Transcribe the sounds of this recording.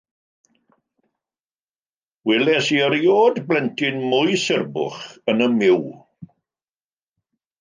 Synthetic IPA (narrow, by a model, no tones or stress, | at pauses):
wɛlɛsiəɾjoːdblɛntʰɪnmʊjsɪrbʊ̰χənəmɪw